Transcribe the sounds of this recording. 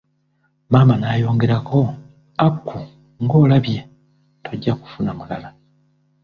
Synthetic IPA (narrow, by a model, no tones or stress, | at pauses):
maːmanaːjo̞ːŋɡe̞ɾakʰo̞ | akːu | ŋɡo̞ːlaβje̞ | tʰoɟːaku̥funamula̰la